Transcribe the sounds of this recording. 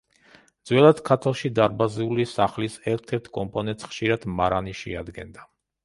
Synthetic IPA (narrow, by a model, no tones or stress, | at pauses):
d̪zwɛlˠad̪̥kʰat̪ʰalˠʃid̪aɾbazɛulisaχlisɛɾt̪ʰɛɾt̪ʰkʼɔmpʼɔnɛnt̪sχʃiɾad̪̥maɾaniʃɛa̰d̪ɡɛ̰nd̪a